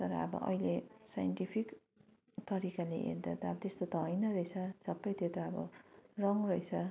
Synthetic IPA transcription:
t̪ʌɾʌ̰ʌ̰bʌ̰ʔʌ̰jlesajʌɳʈipʰik | t̪ʌɾikaleʔḛɾd̪a̰t̪aʌbʌt̪est̪ot̪ʌɦʌjnʌɾʌjt͡sʰʌsʌpːʌjt̪jot̪ʌʌbʌ̰rʌŋrʌjt͡sʰʌ

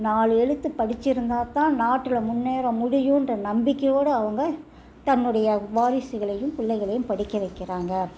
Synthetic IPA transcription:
naːlɛɻɯt̪ːɯpːɐɽɪt͡ʃːɪɾɯnd̪aːt̪ãːnaːʈːɪlɐmʊnːeːɾɐ̃mʊɽɪjʊ̃ɪndrɐnɐmbɪkːɐjoːɽɯɐʋɐŋɡɐ | t̪ɐnːɯɽɐjɐʋaːɾɪsɯɣɐɭɐjɯ̃mpʊɭːɐɪɣɐɭɐjɯmpɐɽɪkːɐʋɐɪkːɪraːŋɡɐ

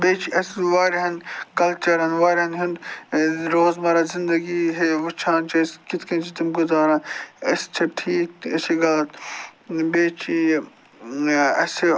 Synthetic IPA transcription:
beːt͡ʃʰiɐsʋaːɾɦɐnkɐlt͡ʃɐɾɐnʋaːɾɦɐnɦʊnd̪ | ɾoːzmɐɾazɪnd̪ɐɡiɦeʋɐt͡ʃʰãːnt͡ʃʰɐskɪt̪ʰkɐ̃ːnt͡ʃʰit̪ɐmɡʊzaːɾãnɐst͡ʃʰɐb̚ʈʰiːk̚ɐsiɡɐlɐt̪ | beːt͡ʃʰi | ɐs

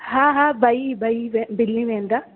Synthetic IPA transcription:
hãːɦãbʱaibʱaiʋebɪlnĩʋẽːnd̪aː

